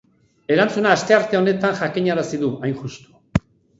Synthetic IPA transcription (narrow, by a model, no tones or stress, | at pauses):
e̞ɾant͡sunaːst̪e̞aɾt̪e̞o̞ne̞t̪anʝakiɲaɾasiðuajnʝust̪u̥